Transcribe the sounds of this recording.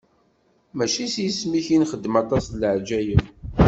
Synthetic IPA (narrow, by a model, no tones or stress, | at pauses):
mæʃisjəsmiçinχəd̪ːmɑt̪ˤɑsləʕd͡ʒæjəf